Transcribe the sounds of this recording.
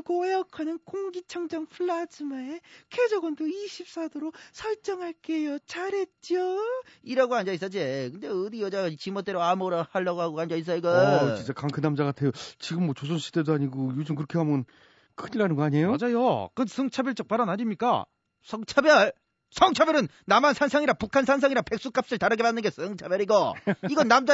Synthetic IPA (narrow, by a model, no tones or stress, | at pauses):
ɡoejʌkʰanɯnkoŋɡit͡ɕʰʌŋd͡ʑʌŋpʰɯɭːad͡ʑɯmaekʰed͡ʑʌɡʌndoiɕʰip̚s͈adoɾosʰʌɭt͡ɕ͈ʌŋɦaɭk͈ejot͡ɕaɾet̚t͡ɕ͈oiɾaɡoaɲd͡ʑais͈ad͡ʑekɯnd̪eɯdijʌd͡ʑaɡait͡ɕimʌt͈eɾoamoɾʌhaɭːaɡoɦaɡoɦaɲd͡ʑais̬͈aiɡʌt͡ɕint͡ɕ͈akaŋkʰɯnamd͡ʑaɣatʰe̞jot͡ɕiɡɯmːwʌt͡ɕosʰonɕʰi̥dedoaɲiɡojud͡ʑɯmkɯɾʌkʰe̞ɦamʌn | kʰɯɲiɾanɯnɡʌaɲejoad͡ʑajokɯndsʰʌŋt͡ɕʰabjʌɭt͡ɕ͈ʌk̚paɾanaɲimɲik͈a̰ | sʰʌŋt͡ɕʰabjʌɭ | sʰʌŋt͡ɕʰabjʌɾɯnːamansʰansʰaŋiɾapukʰansʰans̬ʰaŋiɾape̞k̚s͈uk͈ap̚s͈ɯɭtaɾɯɡe̞banːɯnŋɡesʌŋt͡ɕʰabjʌɾiɡʌiɡʌnːamd͡ʑa